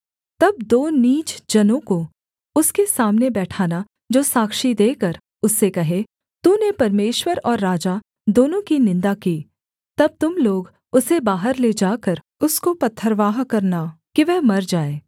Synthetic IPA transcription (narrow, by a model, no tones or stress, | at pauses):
t̪ɐb̚d̪oːniːt͡ʃd͡ʒɐnõko | ʊskesaːmnebɛːʈʰaːna | d͡ʒoːsaːkʃid̪eːkɐɾ | ʊsːekɐɦe | t̪uːnepɐɾmeːʃwəɾɔːɾːaːd͡ʒa | d̪oːnõkinɪ̃nd̪akiː | t̪ɐb̚t̪ʊmloːɡ | ʊsebaːɦəɾled͡ʒaːkəɾ | ʊskopɐt̪ʰːəɾʋaːɦkɐɾnakiʋɛɦmɐɾd͡ʒaːeː